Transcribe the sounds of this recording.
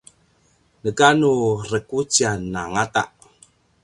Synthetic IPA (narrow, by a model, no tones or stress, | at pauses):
nəkanurəkut͡sianːaŋat̪a̰ʔ